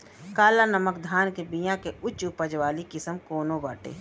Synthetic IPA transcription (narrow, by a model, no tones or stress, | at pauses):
kaːlanəməkd̪ʱaːnkebijãkeʊt͡ʃʊpəd͡ʒʋaːlikɪsəmkoːnobaːʈḛː